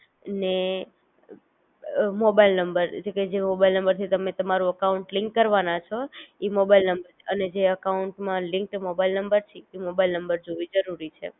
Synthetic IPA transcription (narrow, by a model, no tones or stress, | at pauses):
ne | mobailnəmbəɾd͡ʒeked͡ʒemobailnəmbəɾt̪ʰit̪əmet̪əmaɾũəkauɳʈlɪ̃ŋkːəɾʋanat͡ʃʰoimobailnəmbəɾəned͡ʒeəkauɳʈmãlɪ̃ŋk̚ʈmobailnəmbəɾt͡ʃʰiimobailnəmbəɾd͡ʒoʋid͡ʒəɾuɾit͡ʃʰḛ